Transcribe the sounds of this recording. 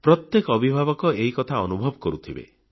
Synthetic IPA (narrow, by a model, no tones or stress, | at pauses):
pɾɔt̪jekɔɔbʱibʱabɔkɔeɦikɔt̪ʰaɔnubʱɔbɔkɔɾut̪ʰibḛ